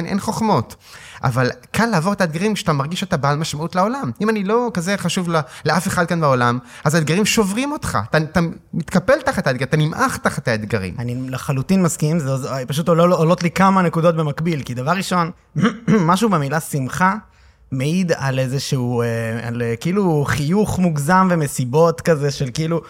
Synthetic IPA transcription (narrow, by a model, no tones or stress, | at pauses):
nʔḛnχoχmo̞tʔa̰valkʰalːaːvo̞ʁet̪aed̪ɡaʁimkʃeat̪amaʁɡiʃot̪abaːlmaʃmautlao̞lamimanilo̞kaze̞χaʃuvleleʔafeχad̪̚kanbeo̞lamazad̪̚ɡaʁimʃo̞vʁimo̞t̪χa̰t̪at̪amit̪kapelt̪aχet̪ad̪ɡat̪animʔaχt̪aχet̪aed̪ɡaʁḭmanileχalut̪inmaskiimzeozpaʃ̬ut̪oloolot̪likamanekud̪o̞t̪̚be̞makbilkid̪avaʁːiʃo̞n | mːaʃube̞milasimχa | meid̪alezeʃeuea̰lekiiluχijuχmuɡzamve̞mesibo̞t̪kazeʃe̞lkiiːlu